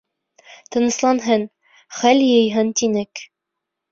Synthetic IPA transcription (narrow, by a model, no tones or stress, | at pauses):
t̪ɤ̆nɤ̆slˠɑnɦɤn | χælʲjɤ̆jɦɤnt̪inɘk